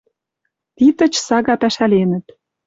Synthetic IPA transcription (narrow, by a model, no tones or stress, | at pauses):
t̪it̪ə̆t͡ɕsɑɣɑpæʃælenə̆t̪